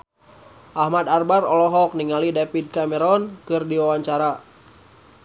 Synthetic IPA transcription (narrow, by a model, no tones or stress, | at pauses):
ʔahmad̪arbarɔlɔɦɔk̚niŋalidapid̚kamɛɾɔnkɨrdiwawaɲt͡ʃaɾa